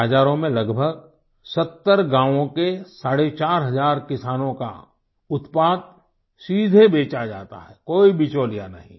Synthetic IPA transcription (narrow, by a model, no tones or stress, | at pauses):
aːd͡ʒaːɾõmẽlɐɡbʱəɡ | sɐt̪ːəɾɡãːʋõkesaːɽet͡ʃaːɾɦɐzaːɾkɪsaːnõka̰ | ʊt̪paːd̪̚ | siːd̪ʱebeːt͡ʃad͡ʒa̰ːt̪a̰ɦɛːkoːibit͡ʃoːlijanəɦḭ̃